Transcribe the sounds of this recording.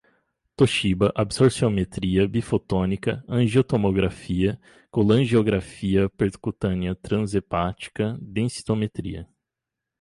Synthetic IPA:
t̪oʃibɐʔabsoɾsiomet̪ɾiɐbifot̪õnikɐɐ̃ʒiot̪omoɡɾafiɐ | kolɐ̃ʒioɡɾafiɐpeɾt̪kut̪ɐ̃niɐt̪ɾɐ̃zepat͡ʃi̥kɐd̪ẽsi̥t̪omet̪ɾḭɐ̰

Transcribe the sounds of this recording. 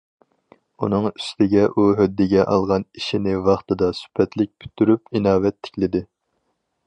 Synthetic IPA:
unɨŋy̥st̪ʰɪɡʲɛʔuɦød̪ːɪɡʲɛʔɑ̰lˠʁɑniʃinɪvɑχt̪ɨd̪ɑsy̥pʰɛt̪lɪk̚ʲpʲʰy̥t̪ʰːyɾypinɑːwɛt̪ʰːɪ̥kʲlɪd̪ɪ

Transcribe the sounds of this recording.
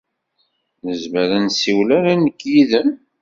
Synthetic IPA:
nəzmæɾænsiwlaɾanəkːjiðən

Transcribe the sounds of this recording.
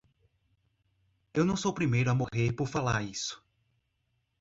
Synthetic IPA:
ewnɐ̃w̃sowpɾimejɾʊamoheɾpoɾfalaɾisʊ̥

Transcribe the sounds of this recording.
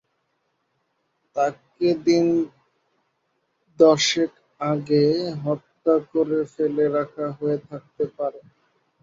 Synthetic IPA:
t̪aked̪in | d̪ɔʃek | aɡeɦɔt̪ːakoɾefeleɾakʰaɦoet̪ʰak̚t̪epaɾe

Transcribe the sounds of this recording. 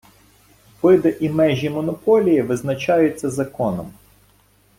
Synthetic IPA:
ʋɪd̪ɐʔimɛʒʲimɔnɔpɔlʲijiʋɪznɐt͡ʃɑjʊt͡sʲːɐzɐkɔnɔm

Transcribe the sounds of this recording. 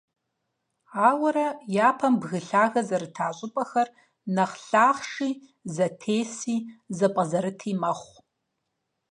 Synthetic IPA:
aːwɐɾɐjaːpʰɐmbɣɨɬaːɣɐzɐɾɨtʰaːɕʼɪpʼɐxɐr | nɐχɬaːχʂiː | zɐtʰeːsiːzɐpʼɐzɐɾɨtʰiːmɐχʷ

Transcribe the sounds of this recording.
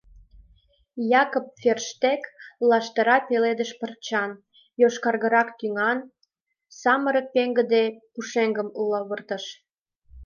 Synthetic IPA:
jɑkop̚ferʃt̪eklɑʃt̪əɾɑpeled̪əʃpərt͡ɕɑn | joʃkɑrɣə̆ɾɑkt̪yŋɑn | sɑməɾə̆k̚peŋɡə̆d̪epuʃeŋɡəmulɑβərt̪ə̆ʃ

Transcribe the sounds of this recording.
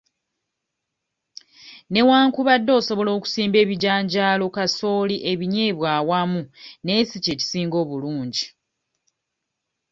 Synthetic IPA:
ne̞waːŋkuβadːo̞ːso̞βo̞lo̞ːku̥siːmbe̞ːβiɟaːɲɟaːlo̞kaso̞ːliʔe̞βiɲe̞ːβwaːwamune̞ːsice̞ːci̥siːŋɡo̞ːβuluːɲɟi

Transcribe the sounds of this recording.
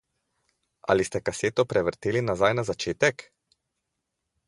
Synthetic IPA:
a̰list̪ɛkaseːt̪ɔpɾɛʋɾt̪eːlinazajnazat͡ʃeːt̪ɛk

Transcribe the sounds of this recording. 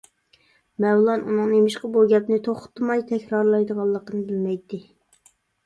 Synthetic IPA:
mɛwlˠɑnunɨŋnemɪʃqɑbuɡʲɛpnɪt̪ʰoχʊ̥t̪ːmɑjt̪ʰɛkʲɾɑɾlˠɑjd̪əʁɑlˠːəqənɨbɪlmɛjt̪ʰːɪ

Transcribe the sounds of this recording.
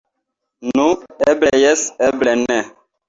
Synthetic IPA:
nũɛblɛjɛsɛblɛnɛ

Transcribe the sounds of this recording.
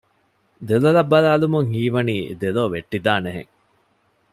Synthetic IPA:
d̪elɐlɐbːɐlaːlumuŋhiːʋɐniːd̪eloːʋeʈːid̪aːneɦḛŋ

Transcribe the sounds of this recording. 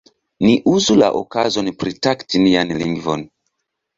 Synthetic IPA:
niʔuzula̰ʔo̰kazonpɾitaktinianlḭŋɡvo̰n

